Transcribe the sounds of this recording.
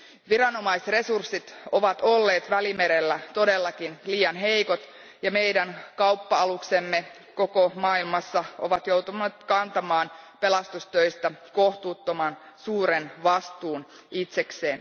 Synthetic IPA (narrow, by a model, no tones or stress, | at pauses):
ʋiɾɑno̞mɑisre̞sursːit̪oʋɑt̪olːeːt̪ʋælime̞ɾelːæt̪o̞de̞lːɑkinliːjɑnɦejkot̪ | jɑme̞jdænkɑupːɑɑluksemːe | ko̞komɑːilmɑsːɑoʋɑt̪jowt̪uneːt̪kɑnt̪ɑmɑːnpe̞lɑst̪ust̪øist̪æko̞ht̪uːt̪ːomɑn | suːɾenʋɑst̪uːn | it̪sekseːn